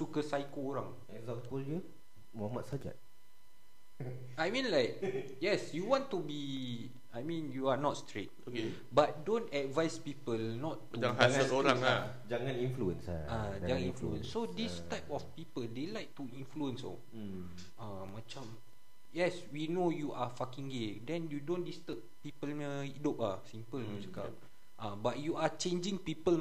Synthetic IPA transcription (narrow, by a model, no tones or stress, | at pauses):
tukəsajkoːɹãŋ | ɛkzãmpəld͡ʒu | muhamat̚sad͡ʒa̰t̚ | ajmĩnlaɪk̚ | jɛsjuwɔ̃ntubi | ajmĩnjuanɔtstɹet̚oke | bat̚dõntɛdvajspipəlnɔtːuaasəloɾãŋa | d͡ʒaŋãnĩnfluə̃nsad͡ʒaŋãnĩnfluə̰̃nsːodistaɪpɔfpipəldelajk̚t̪uĩnfluə̃nso̰ | ã | mat͡ʃam | jɛswinojuʔafakĩŋɡedɛ̃njudõndist̪əp̚pipələidop̚asĩmpəlmãt͡ʃaka̰p | ʔabat̚juat͡ʃẽnd͡ʒĩŋpipəl